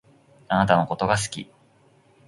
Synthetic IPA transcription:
anat̪ano̞ko̞t̪o̞ɡas̬ɨ̥kʲḭ

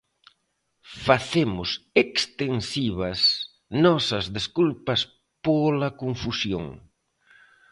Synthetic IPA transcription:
faθemʊsekst̪ensiβɐs | nɔsɐzðeskulpɐs | polɐkoɱfusjo̰ŋ

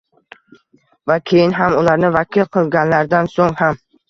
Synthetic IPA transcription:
vakʲʰejinɦamʊlaɾnɪvakʲʰilˠqʰɨlˠɡʲanlaɾd̪ansoŋham

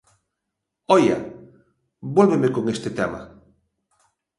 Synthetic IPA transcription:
oja̰ | bwolβemekoŋest̪et̪ema̰

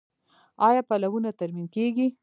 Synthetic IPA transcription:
ɑjɑpalawunat̪aɾminkeɡi

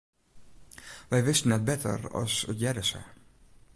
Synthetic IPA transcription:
ʋɛjʋɪstənɛt̚bɛtʰə̰rɑ̰sə̰tjɛdəsə̰

